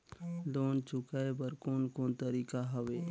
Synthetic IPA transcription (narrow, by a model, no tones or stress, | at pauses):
loːnt͡ʃʊkaːebəɾkoːnkoːnt̪əɾiːkaɦɐʋeː